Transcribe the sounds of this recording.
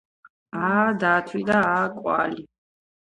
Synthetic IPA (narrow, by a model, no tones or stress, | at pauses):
ad̪at̪ʰwid̪aakʼwa̰li